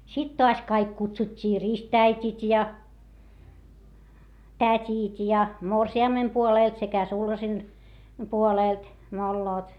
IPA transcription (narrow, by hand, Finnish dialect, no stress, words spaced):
sit toɑs kɑik kutsutʲːiː ristʲæitʲit jɑ tætʲit jɑ morsiɑmːem puoleˑlt sekæ sulhɑsen puoleˑlt molːoːt